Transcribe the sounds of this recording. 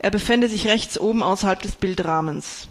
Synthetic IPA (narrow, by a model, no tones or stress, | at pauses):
ʔeːɐbəfɛndəzɪçʁɛçt͡sʔoːbm̩ʔaʊsɐhalp̚d̥ɛsb̥ɪltʁaːməns